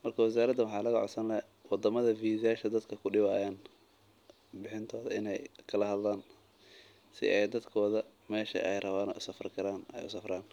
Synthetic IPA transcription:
mɐrkʰɐwɛs̬aːɾɐd̪ɐwɑħɑːlɐɣɐʕɔ̰sɐnlɛ | wɑd̪ɐmɐðɐfiːðjaːʃɐd̪ɐd̪kʰɐkʰʊɖɪβaːjaːn | bɪħɪnt̪ʰɔːðɐ̰ɪ̰nɛjkʰɐlɐhɐd̪laːn | sɪ̰ʔɛjd̪ɐd̪kʰɔːðɐmɛːʃɐ̰ʔɛjrɐβaːnɔ̰ːʊsɐfrkʰɐɾaːnɛ̰jʊ̰sɐfraːn

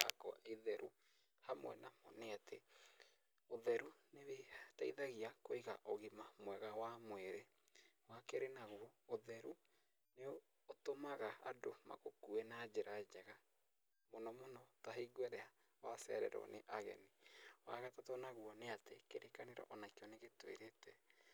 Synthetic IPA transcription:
a̰kɔʔeðɛɾʔu | hamwɛ̰namɔneate | oðɛɾunewetaiðaɣiakoiɣa̰ʔoɣimamwɛɣawamwɛɾe | wakeɾenaɣuɔoðɛɾu | neː | tomaɣaa̰doma̰ɣokuɛnad͡ʒeɾad͡ʒɛɣa | monɔmonɔtaɦiɡwɛɾɛa | wasɛ̰ɾɛ̰ɾɔ̰neʔaɣɛ̰niwa̰ɣatatɔnaɣwɔneatekeɾʔekaneɾa̰ʔɔnakeɔneɣetwḛɾetɛ

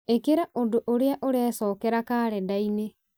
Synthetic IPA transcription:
ekeɾaʔondoʔoɾeaʔoɾɛːsɔːkɛɾakaːɾɛdaine

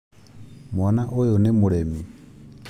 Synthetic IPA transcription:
mwɔnaʔʊjɔnɪmuɺeːmi

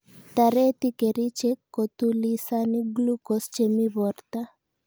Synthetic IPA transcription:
t̪aɾet̪ikeɾit͡ʃekːot̪ulisaniɡlukɔst͡ʃemiβɔɾt̪a

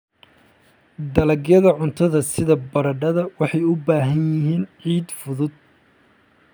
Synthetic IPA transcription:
d̪ɐlɐɡjɐðɐʕʊnt̪ʰɐðɐsɪðɐbɐɾɐɖɐðɐwɑħɑjʊbaːɦɐnjɪɦiːnʕiːd̪fʊðʊd̪̚

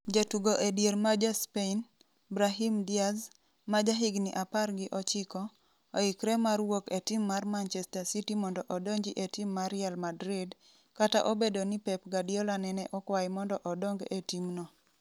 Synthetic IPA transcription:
d͡ʒatuɡoʔedjeɾmad͡ʒaspein | bɾaɦimdiaz | mad͡ʒaɦiɡnḭʔaparɡɪʔɔt͡ʃɪkɔ | oikɾɛmarwoketimːarmant͡ʃɛstasitimɔndɔʔɔdoɲd͡ʒiʔetimːaɾɪalmadɾɪd | kata̰ʔobedonipɛpɡadjɔlanɛnɛʔɔkwajmɔndɔʔɔdɔŋɡetimnɔ

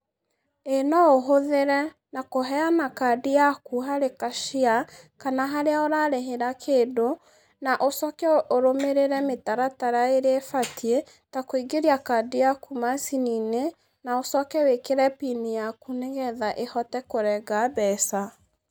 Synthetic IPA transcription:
enɔoɦoðeɾɛ | nakoɦɛanakadijakuɦaɾekaʃia | kanaɦaɾeaoɾaɾeɦeɾakʰeːdo | naʔosɔkɛʔoɾomeɾeɾɛmetaɾataɾaeɾefatʰie | takwiɡeɾiakadijakumasinine | naosɔkɛwekeɾɛpinijakuneɣɛðaʔehɔtɛkoɾɛɡabɛsa

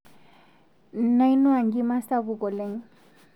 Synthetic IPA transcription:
najnuaŋɡimasabuɡɔleŋ

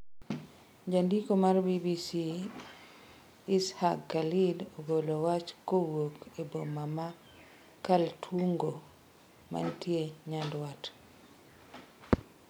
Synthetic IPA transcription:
d͡ʒandikomarbibisi | isha̰kːalidobolowat͡ʃkowokebomama | kaltʰwuŋɡo | ma̰ntjeɲandwat

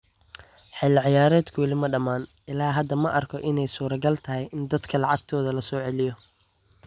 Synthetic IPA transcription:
ħɑlɪʕɪjaːɾɛːd̪kʰʊwɐlɪmɐɖɐmaːn | ɪlaːɦɐd̪ːɐmɐʔɐrkʰɔʔɪnɛjsuːɾɐɡɐlt̪ʰɐɦɛjɪnd̪ɐd̪kʰɐlɑʕɑɡ̚t̪ʰɔːðɐlɐsɔːʕɛlɪjɔ

